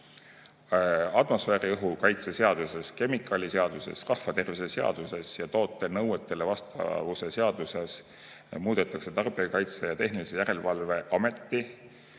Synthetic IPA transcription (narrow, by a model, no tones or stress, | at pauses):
ɑd̪mo̞sfeːɾiɤɦukɑjt̪sese̞ɑd̪̥use̞ske̞mikːˑɑlʲise̞ɑd̪use̞̰srɑhfɑt̪e̞rvise̞seɑ̰d̪̥use̞sjɑt̪o̞ːt̪ːˑe̞nɤwet̪ːˑe̞le̞vɑst̪ɑ̰vuse̞se̞ɑd̪use̞s | muːd̪̥e̞t̪ːˑɑkse̞t̪ɑrb̥iɑkɑjt̪sejɑt̪e̞ɦnilise̞jæɾe̞lvɑlve̞ʔɑme̞t̪ˑːi